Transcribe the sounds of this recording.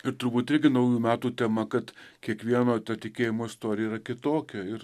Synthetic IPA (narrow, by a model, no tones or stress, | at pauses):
ɪɾt̪ʊɾbuːt̪ɪɾʲɡʲɪnɐʊjuːmʲæːt̪uːt̪ʲɛmɐkɐt̪kʲiɛkʋʲiɛnoːt̪ɐt̪ʲɪkʲeːjɪmoːɪst̪oːɾʲɪjɛiɾɐkʲɪt̪oːkʲɛɪɾ